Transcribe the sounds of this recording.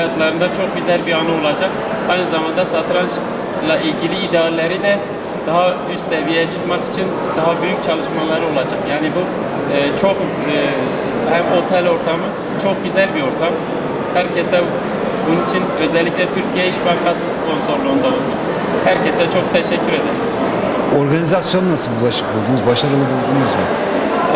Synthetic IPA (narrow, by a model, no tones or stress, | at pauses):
jat̪lˠaɾɯnd̪at͡ʃʰo̞k̚ɟyzælʲbianɯo̞lˠad͡ʒak | ajnɯzamand̪asat̪ɾant͡ʃ | lˠaʔilʲɟilʲiːd̪ɛaɾlʲeɾid̪ɛ | d̪̥aɦa | yst̪sevijejɛt͡ʃʰɯ̥kmaki̥t͡ʃʰin | d̪aɦabyjyc̚ʲt͡ʃʰalˠɯʃmalˠaɾɯo̞lˠad͡ʒakjaːnibuː | t͡ʃʰo̞kː | hæmo̞t̪ʰɛlʲo̞ɾt̪ʰamɯ | t͡ʃʰo̞kɟyzælʲbio̞ɾt̪ʰam | hæɾcʰesɛ | bununit͡ʃʰinø̞zɛlʲːiclʲɛt̪ʰyɾcʰijɛiʃbanbasɯspʰo̞nso̞ɾlˠuːnd̪aolˠu | hæɾcʰesɛt͡ʃʰo̞k̚t̪ʰɛʃɛcʰːyɾe̞d̪ɛɾiz | o̞ɾɡanizasjo̞nunasɯlˠbulˠaʃɯ̥k̚bulˠd̪unuzbaʃaɾɯlˠɯbulˠd̪unuzmu